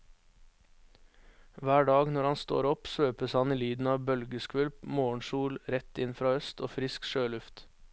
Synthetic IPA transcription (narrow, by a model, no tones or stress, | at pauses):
ʋæːɖɑːɡnɔɾhɑnst̪o̰ːɾɔpsʋøːpəshɑniːlyːd̪n̩ɑːʋbœlɡəskʋʉlpmoːɳʃuːlɾɛt̪ɪnfɾɑːœst̪ʰoːfɾɪskʃøːlʉft̪